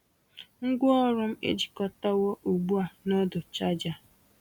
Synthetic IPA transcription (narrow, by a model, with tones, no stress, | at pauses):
ŋ̩˦ɡʷʊ˦ɔ˦ɾʊ˦m̩˦ḛ˦d͡ʒi̥˨kɔ˦ta˦wɔ˦ʔu˨ɡ͡bu˦a˨nɔ˦dʊ˨t͡ʃa˦d͡ʒa˨